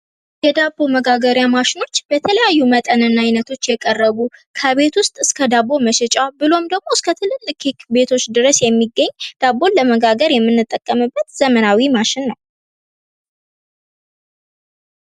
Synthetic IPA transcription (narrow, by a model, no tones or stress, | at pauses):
jɛd̪abːo̞məɡaɡəɾjamaʃɪno̞t͡ʃːb̥ət̪ʰələjajːumət̪ʼənɨnajnət̪ʰo̞t͡ʃːjɛkʼərːəɡukʰəβe̞t̪wʊst̪ʼɨskʰəd̪abo̞məʃɛt͡ʃʼabɨlo̞md̪əɡmo̞ɨskʰət̪ʰɨlɨmɨkʰikbe̞t̪ʰo̞t͡ʃːd̪ɨɾəsjɛmːiɡːəɲːd̪̥abːo̞nləməɡaɡəɾjɛmːɨnːɨt̪ʼːəkʼːəmɨbːət̪zəmənawimaʃɪnːəw